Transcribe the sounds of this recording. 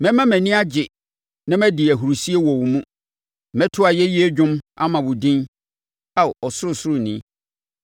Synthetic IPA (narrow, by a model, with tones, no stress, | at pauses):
mɛ̃˦mã˦mɛ̃˨nĩ˦a˦d͡ʑɪ˨ | nã˦mɛ̃˦dɪ˨æ˨ɦu˨ɾu˨si˦e˦wɔ˨wmũ˦ | mɛ̃˦tʰʊ˦a˨jɛ˦ji˦e˦d͡ʑᶣʊ̃˦ma̰˦mã˨wʊ˨dĩ˦n | a˦˨ɔ˨sʊ˦ɾʊ˦˨sʊ˦ɾʊ˨nĩ˦